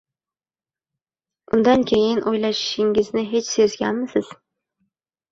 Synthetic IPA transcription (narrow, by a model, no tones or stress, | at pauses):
ʊnd̪ankʲʰejɪnʔojlaʃɪ̥ʃɪŋɪznɪɦe̞t͡ʃsɵzɡʲanmɪsɪz̥